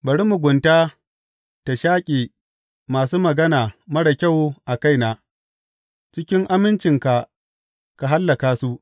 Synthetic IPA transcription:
bɐ˨ɽi˦mu˨ɡʷʊ˨ntaː˦ | ta˨ʃaː˦kʲʼiː˨ | maː˨s̬uː˦mɐ˨ɡɐ˦naː˨mɐ˦ɽɐ˨kʲa˦˨wʔa˨ka˦jnaː˨ | t͡ʃɪ˦kʲɪ˦ŋʔa˦mɪ˦nt͡ʃɪ˨ŋka˨ | ka˨ɦa˦lːɐ˨kaː˦su˦ʔ

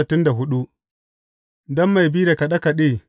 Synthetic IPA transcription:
tɪ˦nda˨ɦʊ˦ɗu˦ | dɐ˦mːa˨jbi˦ɾe˨ka˨ɗa˦ka˨ɗeː˦

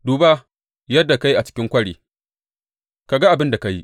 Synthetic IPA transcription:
duː˨baː˦ | jɐ˦dːa˨ka˦ji˦ʔa˨t͡ʃɪ̥˦kʲɪ˦ŋkʷɐ˦ɽeː˨ | ka˨ɡa˦ʔa˨bɪ˦nda˨ka˦ji˦ʔ

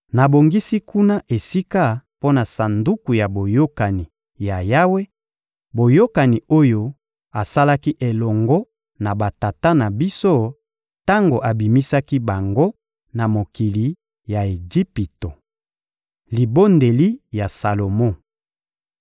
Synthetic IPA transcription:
na˨bo˨ŋɡi˦si˦kʰu˦na˦ʔe˨si˦ka˦po˦na˨sa˨ndu˦ku˨ja˨bo˨jo˦ka˨ni˨ | ja˨ja˦we˦ | bo˨jo˦ka˨ni˨o˦jo˦ | a˨sa˦la˦ki˦ʔe˨lɔ˨ŋɡɔ˦ | na˨ba˨ta˨ta˦na˨bi˦so˦ | ta˦ŋɡo˨ʔa˨bi˨mi˦sa˦ki˦ba˨ŋɡo˦ | na˨mo˨ki˨li˨ | ja˨e˨ɡi˦pi˨to˨ | li˨bo˦nde˨li˦ja˨sa˨lo˨mɔ̃˦

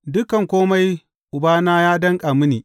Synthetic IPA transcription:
dʊ˦kɐ˨ŋkʷoː˦ma˦j | ʔʊ˨baː˦naː˦jaː˦dɐ˦ŋkʼa˨mʊ˦niː˨

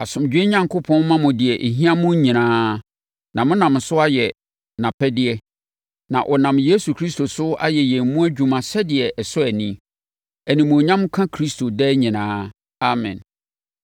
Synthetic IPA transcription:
a˨sʊ̃˨md͡ʑᶣe˦ɲã˦ŋkʊ˦pʰɔ̃˦nmã˦mʊ̃˨dɪ˨ɛ˨ʔe˨ɦĩ˦ã˦mʊ̃˦ɲĩ˨nãː˦ | nã˨mʊ̃˦nã˨m˨sʊ˦a˦jɛ˨ | nã˨pʰɛ˦dɪ˦ɛ˦ | nã̰˨ʔɔ˨nã˨mjeː˦su˨kʰɾi˦sto˨sʊ˦a̰˦jɛ˨jɛ̃˨mmũ˦æ˦d͡ʑᶣu˨mã˨sɛ˦dɪ˨ɛ˨ʔsʊ˦ɛ˨nĩ˦ | æ˨nĩ˨mʊ̃˨ɲã˦mkʰã˦kʰɾi˦stʰo˨dɛ˦ɲĩ˨nãː˦ | a˦˨mɛ̰̃˨n

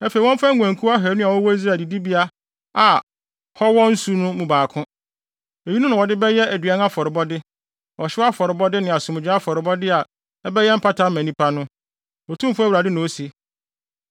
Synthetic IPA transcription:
ɛ˦fe˨wɔ̃˦m˦fa˦ŋ˦ɡʷæ̃˨ŋ˨kʰu˦a˦ɦɛ˨˦nʊ̃˦a˨wɔ˦wɔ˦i˦s̬ɾa˨di˨di˦bi˦a˦ | a˨ | hɔ˦wɔ̃˦n̩˦su˦nʊ̃˦mũ˨baː˨kʰʊ̃˦ | e˨ji˦nũ˦nʊ̃˨wɔ˨dɪ˦bɛ˦jɛ˦æ˨dɥa˦n˦a˦fɔ˨ɾɪ˨bɔ˦dɪ˦ | ɔ˨ɕɪ˦a˦fɔ˨ɾɪ˨bɔ˦dɪ˦nɪ̃˨a˨sʊ̃˨m̃˨d͡ʑᶣɪ̃˦a˦fɔ˨ɾɪ˨bɔ˦dɪ˦a˨ | ɛ˦bɛ˦jɛ˦m̩˦pʰa˦tʰa˦m̩˦mæ̃˨nĩ˦pʰa˦nʊ̃˦ | ɔ˨tʰũ˦m˦fʊ˦æ˦wu˨ɾa˨dɪ˦nʊ̃˨o˦si˦

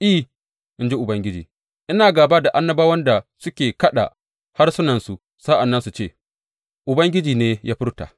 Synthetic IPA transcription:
ʔi˦˨ | ʔɪ˦nd͡ʒi˦ʔʊ˨bɐ˦ŋɡʲɪ˦d͡ʒḭː˨ | ʔɪ˦naː˨ɡaː˨baː˦da˨ʔa˦nːɐ˦baː˦wɐ˦nda˨sʊ˦kʲeː˨kɐ˦ɗa̰˨ | ha˦rsʊ˦nɐ˨nsu˨ | sa˦ʔa˨nːɐ˦nsu˨t͡ʃeː˦˨ | ʔʊ˨bɐ˦ŋɡʲɪ˦d͡ʒiː˨neː˦jaː˦ɸɪ˦rta̰˨

